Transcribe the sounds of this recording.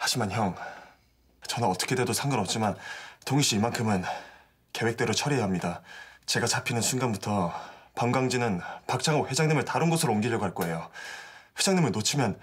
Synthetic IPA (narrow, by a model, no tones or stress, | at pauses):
had͡ʑimançjʌŋ | t͡ɕʌnɯnʌt͈ʌkʰe̞de̞dosʰaŋɡanʌp̚t͡ɕ͈imantoŋɕʰiːmankʰɯmɯn | ke̞we̞k̚t͈e̞ɾot͡ɕʰʌɾiɦamɲidat͡ɕe̞ɡat͡ɕapʰinɯnsʰunɡanbutʰʌpʌŋɡwaŋd͡ʑinɯnpak̚t͡ɕ͈ʰaŋowe̞d͡ʑaŋɲimɯɭtaɾɯnɡʌsʰɯɾoonɡiʎjʌɡoɦaɭk͈oe̞jo | ɸwe̞d͡ʑaŋɲimɯɭnot͡ɕʰimjʌn